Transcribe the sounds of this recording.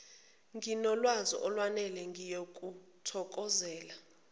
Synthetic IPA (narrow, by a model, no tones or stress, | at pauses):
ŋɡinɔlwazɔ̰ʔɔlwanɛlɛŋɡʱijokʼutʰɔkʼɔzɛːla